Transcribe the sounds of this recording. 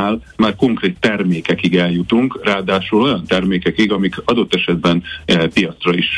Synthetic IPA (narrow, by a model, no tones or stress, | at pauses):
aːlmaːrko̞ŋkreːt̪ːɛrmeːkɛkiɡɛljut̪uŋkraːd̪aːʃulo̞jɒnt̪ɛrmeːkɛkiɡɒmikɒd̪o̞t̪ːɛʃɛd̪bɛnpijɒt̪srɒiʃ